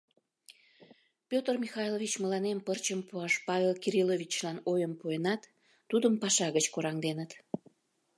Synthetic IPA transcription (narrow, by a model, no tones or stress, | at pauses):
pʲjot̪ərmʲixɑjlˠovit͡ɕməlɑnempərt͡ɕəmpuɑʃpɑvʲelkiɾilovʲit͡ɕlɑnojəmpuenɑt̪ː | ud̪əmpɑʃɑɣət͡ɕkoɾɑŋd̪enət̪